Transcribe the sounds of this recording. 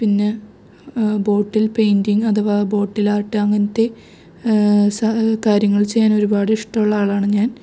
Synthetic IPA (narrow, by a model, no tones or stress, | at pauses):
pinːɨ | bo̞ːʈːilpejndiŋɡɐt̪ɐʋaːbo̞ːʈːilaːʈːɨaŋːɐnɐt̪ːe | sakaːɾjɐŋːɐɭt͡ɕe̞jːaːno̞ɾubaːɽɨiʂʈɐmuɭːɐaːɭaːɳɨɲaːn